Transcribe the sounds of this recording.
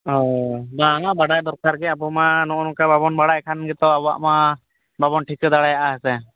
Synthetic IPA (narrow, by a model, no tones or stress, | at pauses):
ɦɔbaŋabaɽajd̪ɔɾkaɾɡɛabɔmanɔʔnɔkababɔnbaɽajkʰanɡɛt̪ɔaba̰ʔma | babɔnʈʰikəd̪aɽajaʔaɦɛsɛ